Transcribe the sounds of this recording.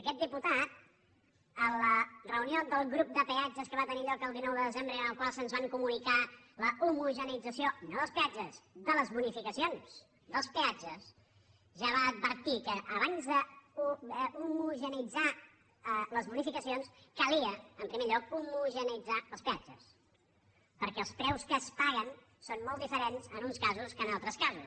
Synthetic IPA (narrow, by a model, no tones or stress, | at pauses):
əkɛt̪̚d̪iput̪at̪̚ | ələrəuniod̪əlˠɣɾup̚d̪əpead͡ʒəskəβat̪əniʎɔkəlˠd̪inɔwðəðəzembɾəeənəlˠkwalˠsənzβaŋkumunika | ləumuʒənid͡zəsionoðəlˠspead͡ʒəzðələzβunifikəsions | d̪əlˠspead͡ʒəs | ʒaβaəd̪̚βəɾt̪ikəʔːβ̞anzðəuumuʒənid͡za | ələzβunifikəsionskəliəəmpɾimeʎɔkumuʒənid͡zaəlˠspead͡ʒə̰s | pəɾkɛəlˠspɾɛwskəspaɣ̞ən | sonmoɔlˠt̪ifəɾenzənunskazuskənalˠt̪ɾəskazu